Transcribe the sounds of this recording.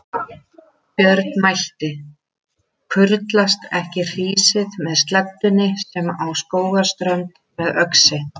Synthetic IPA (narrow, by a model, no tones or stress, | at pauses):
pjœɾt̪̚nmajl̥t̪ɪ | kʰʏɾt̪last̪ɛhcɪr̥iːsɪðmɛðst̪lɛt̪ːʏnɪsɛmawskoːwɣḁst̪ɾœnt̪ | mɛðœksɪ